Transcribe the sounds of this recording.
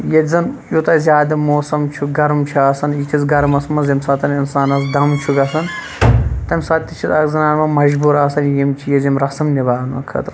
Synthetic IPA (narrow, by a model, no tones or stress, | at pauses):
jezɐnjut̪ɐzʲjaːd̪ɐmoːsɐmt͡ʃʰuɡɐɾmt͡ʃʰiaːsɐnjit͡ʃʰizɡɐɾmɐsmɐzɐmsaːt̪ɐninsaːnɐs̬d̪ɐmt͡ʃʰuɡɐsɐn | t̪ɐmʲsaːt̪ʲːit͡ʃʰizɐɡzɐnaːnmɐmɐʒbuɾaːsɐnjimt͡ʃʰijezimɾɐsɐmnibaːnmɐ̰kʰɐ̰t̪ɾ